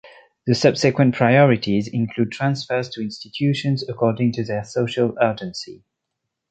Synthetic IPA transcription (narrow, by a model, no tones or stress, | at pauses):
ðəsʌb̥sɪkwə̃npʰɹ̥aɪɔɹɪtʰizɪ̃nkʰl̥ud̚tʰɹ̥ãnsfə˞z̥tʰəɪ̃nstɪtʰjʉʃə̃nzəkʰɔːdɪ̃ŋtʰɨðəsoʊʃəlɜːd͡ʒə̃nsḭ